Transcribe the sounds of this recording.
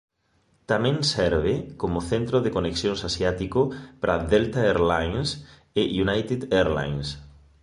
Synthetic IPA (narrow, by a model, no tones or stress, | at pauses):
t̪amẽŋsɛɾβekomoθẽnt̪ɾoðekoneksjõŋsasjat̪ikopɾʔa̰ðelt̪aeɾlajns | ejunajt̪ed̪eɾla̰jns